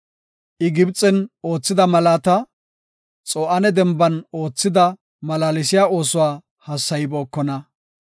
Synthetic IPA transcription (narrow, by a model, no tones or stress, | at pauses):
ʔɪɡɪbt͡sʼːɛno̞ːt͡sːɪd̪ɐmɐlaːt̪ɐ | t͡sʼɔːʔɐnɛd̪ɛmbɐno̞ːt͡sːɪd̪ɐ | mɐlaːlɪsɪjaːo̞ːsʊwaː | hɐsːɐjbo̞ːkːɔnɐ